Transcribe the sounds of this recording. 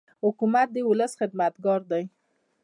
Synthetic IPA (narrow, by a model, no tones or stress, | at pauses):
hʊkumat̪̚d̪əwʊləsxɪd̪mat̪ɡɑɾd̪aj